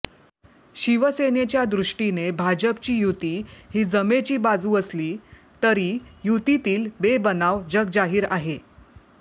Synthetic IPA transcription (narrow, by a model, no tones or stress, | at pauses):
ɕiʋəsenet͡ɕjad̪ɾuʂʈinebʱad͡ʑəp̚t͡ɕiːjut̪iːɦiːd͡zəmet͡ɕiːbad͡zuːəsliː | t̪əɾijut̪it̪iːlbebənaʋd͡ʑəɡ̚d͡zaɦiːɾaɦe